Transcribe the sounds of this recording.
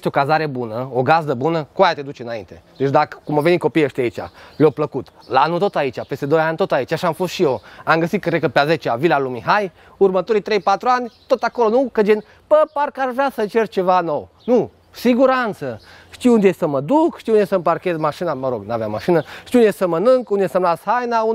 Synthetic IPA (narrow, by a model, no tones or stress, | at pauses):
est̪eokazaɾebunəoɡazd̪əbunəkoajat̪ed̪ut͡ʃeɨnaḭnt̪ed̪et͡ʃd̪akə̥kumovenikopiəʃt̪eait͡ʃʲa̰leopləkut̪ | lanut̪ot̪ait͡ʃʲapest̪ed̪ojanʲt̪ot̪ait͡ʃaʃamfost̪ʃijoamɡəsit̪̚kəɾekəpeazet͡ʃavilalumiɦaj | urmət̪oɾit̪ɾejpat̪ɾuanʲt̪ot̪akolonukəd͡ʒen | pəpaɾkaɾʒasət͡ʃert͡ʃevanow | nu | siɡuɾant̪sə | ʃt̪iund̪ʲesəməd̪ukʃt̪iunesəmparkezmaʃinaməɾoɡnaveamaʃinəʃt̪iunʲesəmənɨŋkund̪ʲesəmlashajnau